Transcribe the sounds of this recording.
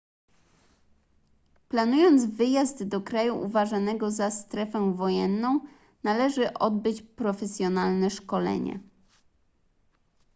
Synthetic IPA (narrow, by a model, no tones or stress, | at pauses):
planujɔnd̪zvɘjazd̪ːɔkɾajuʔṵvaʐanɛɡɔzast̪ɾɛfɛ̃vɔjɛnːɔ̃w̃ | nalɛʐɘʔɔd̪̚bɘt͡ɕpɾɔfɛsʲjɔnalnɛʂkɔlɛ̰ɲɛ̰